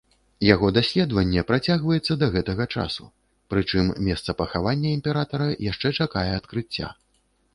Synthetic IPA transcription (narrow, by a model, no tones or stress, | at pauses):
jaɣɔd̪asʲlʲɛd̪vɐnʲːɛpɾat͡sʲaɣvɐjɛt̪sːɐd̪ɐɣɛt̪ɐɣɐt͡ʂa̰sṵ | pɾɨt͡ʂɨmmʲɛst̪sɐpɐxavanʲːɐimʲpʲɛɾat̪ɐɾɐjaʂt͡ʂɛt͡ʂakajɛat̪kɾɨt͡sʲːa̰